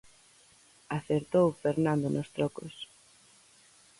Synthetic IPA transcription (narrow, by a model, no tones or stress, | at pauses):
aθeɾt̪owfeɾnãnd̪onost̪ɾɔkos